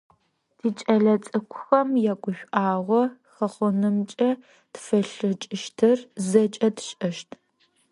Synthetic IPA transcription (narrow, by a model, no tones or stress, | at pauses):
d̥iːt͡ʃʼɐɮɐt͡sʼɨkʷʰʊxɐmjaːkʷʼʊʃᶣʷʔaːʁʷɔxɐχʷʊnɨmt͡ʃʼɐ | tfɐɬɨt͡ʃʼɪʃtʰɨrzɐt͡ʃʼɐdɕʼɐʃtʰ